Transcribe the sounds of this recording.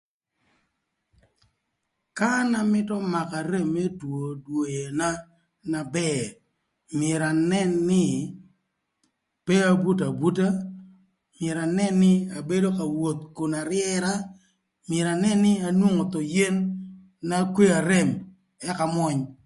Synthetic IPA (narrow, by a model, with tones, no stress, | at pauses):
ka˦na˨mɪ˦tɔ˦ma˨ka˨ɾe˦mːe˦two˨dwo˨je˨na˦ | na˨bɛ˦˨ | mɛ˨ɾa˨nɛ˦nːɪ˦ | pe˦a˦bu˦t̬a˨bu˦ta˦ | mjɛ˨ɾa˨nɛ˦nːɪ˦a˨be˦do˦ka˨wo˨t̪ku˨na˨ɾɪjɛ˦ɾa˦ | mɛ˨ɾa˨nɛ˦nːɪ˦a˨nwu˦ŋo˨t̪ɔ˨je˦nː | a˦kwe˦a˨ɾe˦˨m | ɛ˦ka˨mwɔ˦ɲ